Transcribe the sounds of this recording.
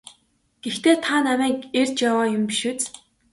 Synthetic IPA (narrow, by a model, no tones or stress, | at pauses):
ɡ̥ext̪eːt̪ʰanamæːkert͡ɕjawaːjʊmpiʃŭːt͡s